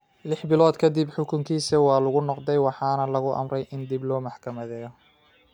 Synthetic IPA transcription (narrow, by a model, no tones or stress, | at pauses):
lɪħbɪlɔːd̪kʰɐd̪ɪbħʊkʰʊŋkʰiːsɐwɑːlʊɣʊnɔqd̪ɛjwɑħɑːnɐlɐɣʊʔɐ̰mrɛjʔɪnd̪iblɔːmɑħkʰɐmɐðɛːjɔ